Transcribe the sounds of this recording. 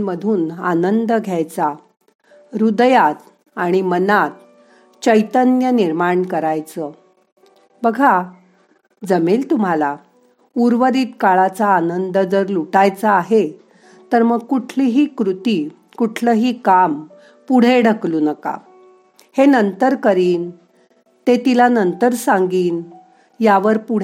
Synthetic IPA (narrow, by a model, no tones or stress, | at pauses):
məd̪ʱuːna̰nənd̪əɡʱjajt͡sa | ɾud̪jat̪ | aɽ̃imənat̪ | t͡ɕəjt̪ənjəniɾmaɳkəɾajt͡sə | bəɡʱa | d͡zəmelt̪um̤ala | uɾʋəd̪iːt̪kaɭat͡saːnənd̪əd͡zəɾluʈajt͡saːɦe | t̪əɾməɡkuʈʰliɦiːkɾut̪i | kuʈʰləɦiːkam | puɽ̤eɽ̤ʱəkluːnəka̰ | henənt̪əɾkəɾiːn | t̪et̪ilanənt̪əɾsãŋɡiːn | jaʋəɾpuɽ